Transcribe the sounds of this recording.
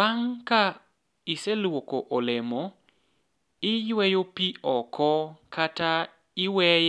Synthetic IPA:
aŋka | ɪselwokoʔɔlɛmo | ɪjwɛjopiɔkɔkʰata | ɪwɛ

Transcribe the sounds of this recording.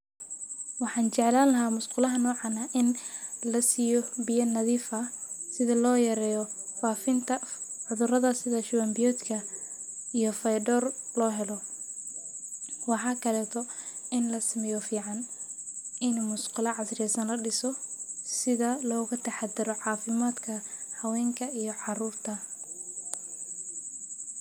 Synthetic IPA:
wɑħɑːnt͡ʃɛʕlaːnlɐɦaːmʊsqʊlɐɦɐnɔːʕɑnɐʔɪnlɐsijɔbɪjɐnɐðiːfɐ | sɪðɐlɔːjɐɾɛːjɔfaːfɪnt̪ʰɐ | ʕʊðʊrɐðɐsɪðɐʃʊwɐmbɪjɔːt̪kʰɐ | ijɔfɐjɖɔːr | lɔːɦɛlɔ | wɑħɑːkʰɐlɛːt̪ʰɔɪnlɐsɪmɛjɔfiːʕɑn | ɪnmʊsqʊlɐʕɑsrɛːsɐnlɐɖɪsɔsɪðɐlɔːɣʊt̪ʰɐħɑd̪ɪɾɔʕɑːfɪmaːd̪kʰɐhɐwɛːŋkʰɐijɔʕɑruːrt̪ʰɐ

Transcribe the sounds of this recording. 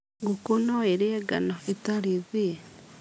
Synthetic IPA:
ɡukunoeɾeɡa̰noetaɾizi

